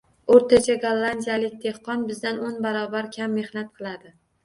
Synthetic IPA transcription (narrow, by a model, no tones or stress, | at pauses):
oɾt̪ʰat͡ʃʰaɡalˠːand̪ʲijalɪk̚ʲd̪ʰe̞hqɒnbɪzd̪anonbaɾɒbaɾkʲʰamːe̞hnat̪̚qʰɨlˠad̪ɪ